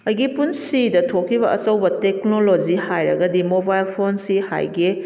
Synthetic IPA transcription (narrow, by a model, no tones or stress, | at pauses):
ɐjɡipunsidɐtʰokʰːibɐʔɐt͡ʃɐwbɐtek̚nolod͡ʒihajɾɐ̰ɡɐdimobajlpʰonsiha̰jɡi